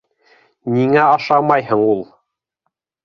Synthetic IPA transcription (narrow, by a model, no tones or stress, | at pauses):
niŋæɑʃɑmɑjhɤɴulˠ